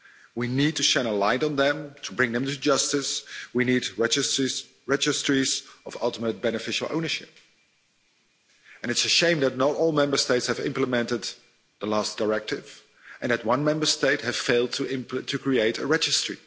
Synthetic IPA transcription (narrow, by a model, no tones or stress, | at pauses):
winid̚tʰɨʃæ̃nəlãɪ̃nd̃n̩ðɨ̃mtʰəbɹɪ̃ŋðɨ̃mtʰɨd͡ʒʌstɪswinidɛd͡ʒɨsiz | ɹɛd͡ʒɨstɹ̥izʌvʌ̰lˠtəmət̚b̥ɛnɨfɪʃl̩ˠõ̰ʊ̃nə˞ʃɪp̚ | ɨ̃nɨtsɨʃẽɪ̃mðɨtⁿnətɔlˠmɛ̃mbə˞steɪtshɨvɪ̰̃mpləmɛ̃ntɨd̪̚ | ðəlæsd̥əɹɛk̚tɪv̥ | ʔɨ̃nðɨt̚wʌ̃nmɛ̃mbə˞steɪt̚hɨv̥feɪlˠd̚tʰɪ̃tʰɨkʰɹ̥ieɪɾɨ̰ɹɛd͡ʒɨstɹ̥ḭ